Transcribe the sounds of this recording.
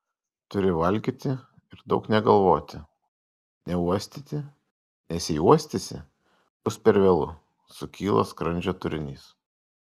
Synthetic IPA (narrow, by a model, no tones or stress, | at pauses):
t̪ʊɾʲɪʋɐlʲɡʲiːt̪ʲɪ | ɪɾd̪ɒʊknʲɛɡɐlˠʋoːt̪ʲɪ | nʲɛuɔsʲt̪ʲit̪ʲɪ | nʲɛsʲɛɪuɔsʲt̪ʲɪsʲɪ̰ | b̥ʊspʲɛɾʋʲeːlˠʊ̰ | sʊkʲiːlˠo̰ːskɾɐnʲd͡ʒʲoːt̪ʊɾʲɪnʲiːs